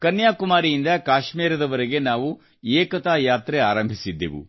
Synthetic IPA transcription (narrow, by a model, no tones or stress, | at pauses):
kɐnjaːkumaːɾijind̪ɐkaːʃmiːɾɐd̪ɐʋɐɾeɡe̞naːʋu | eːkɐt̪aːjaːt̪ɾeaːɾɐmbʱisid̪ːḛʋṵ